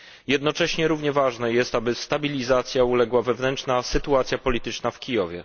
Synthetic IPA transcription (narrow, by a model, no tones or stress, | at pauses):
jɛd̪nɔt͡ʂɛɕɲɛɾuvɲɛvaʐnɛjɛst̪abɘst̪abʲilʲizat̪sʲjaulɛɡwavɛvnɛnt͡ʂnasɘt̪uat̪sʲjapɔlʲit̪ɘt͡ʂnafkʲijɔvʲjɛ̰